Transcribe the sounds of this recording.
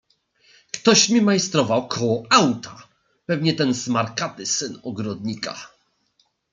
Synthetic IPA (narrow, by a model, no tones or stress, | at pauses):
kt̪ɔɕmʲimajst̪ɾɔvawkʰɔwɔawt̪ʰa | pɛvɲɛt̪ɛnz̥maɾkat̪ɘsɘnɔɡɾɔd̪ɲika̰